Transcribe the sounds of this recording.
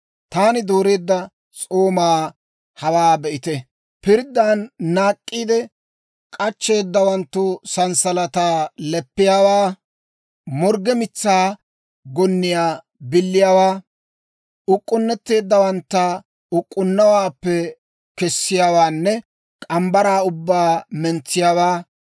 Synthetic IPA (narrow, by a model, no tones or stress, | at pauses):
t̪aːnɪd̪oːɾe̞ːd̪ːɐ | t͡sʼoːmaː | hɐwaːbɛʔɪt̪ɛ | pɪɾd̪ːaːnːaːkʼːiːd̪ɛ | kʼɐt͡ʃːe̞ːd̪ːɐwɐnt̪ːʊsɐnsɐlɐt̪aːlɛpːɪjaːwaː | mɔɾɡɛmɪt͡sːaː | ɡɔnːɪjaː | bɪlːɪjaːwaː | ʊkʼːʊnːɛt̪ːe̞ːd̪ːɐwɐnt̪ːɐ | ʊkʼːʊnːɐwaːpːɛ | kɛsːɪjaːwaːnːɛ | kʼɐmbɐɾaːʊbːaːmɛnt͡sːɪjaːwaː